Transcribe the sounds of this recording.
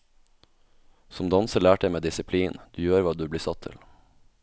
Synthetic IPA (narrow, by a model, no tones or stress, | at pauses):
sɔmd̪ɑnsəlæːʈ̪ɛɪmeːd̪ɪsɪpʰliːnd̪̥ʉːjøːɾʋɑːd̪ʉːbliːsɑt̪ʰːɪ̰l